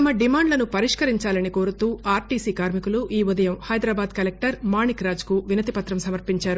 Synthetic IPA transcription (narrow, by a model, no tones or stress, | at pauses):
t̪ɐmɐɖimaːɳɖlɐnupɐɾiʂkɐɾiɲt͡ʃaːlɐniko̞ːɾut̪uːaːɾʈiːsiːkaːɾmikuluʔiːud̪ɐjɐmhɐjd̪ɾaːbaːd̪kɐlek̚ʈɐɾmaːɳikɾaːd͡ʒkuʋinɐt̪ipɐt̪ɾɐmsɐmɐɾpiɲt͡ʃaːɾu